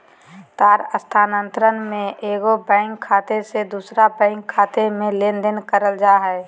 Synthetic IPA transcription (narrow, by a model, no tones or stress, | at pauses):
t̪aːɾəst̪ʰaːnə̃nt̪ɾənmẽeːɡobɛ̃ːŋkʰːaːt̪esed̪uːsɾabɛ̃ːŋkʰːaːt̪emẽleːnd̪ɪnkəɾəld͡ʒaːɦɛː